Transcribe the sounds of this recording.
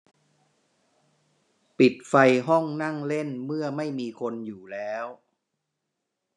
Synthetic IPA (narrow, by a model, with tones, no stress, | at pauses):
pi˨˩t̪̚fa˧jɦɔ˥˩ŋna˥˩ŋle˥˩nmɯ˥˩ɐma˥˩jmiː˧kʰo˧njuː˨˩lɛː˦˥w